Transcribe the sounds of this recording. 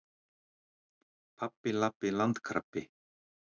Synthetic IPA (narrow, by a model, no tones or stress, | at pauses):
pʰapːɪlapːɪlant̪kʰɾa̰pːɪ